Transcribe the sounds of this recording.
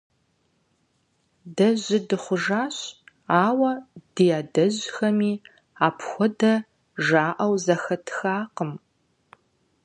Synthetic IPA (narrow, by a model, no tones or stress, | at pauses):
dɐʑɪdɨχʷʊʒaːɕ | aːwɐd̥ijaːdɐʑxɐmiː | aːpʰxʷɔdɐ | ʒaːʔɐwzɐxɐtʰxaːqəm